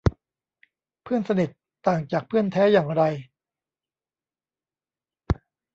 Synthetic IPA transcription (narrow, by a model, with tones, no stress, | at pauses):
pʰɯ˥˩ənsa˧ni˨˩t̪ːaː˨˩ŋt͡ɕaː˨˩k̚pʰɯ˥˩ənt̪ʰɛː˦˥jaː˨˩ŋɾa˧j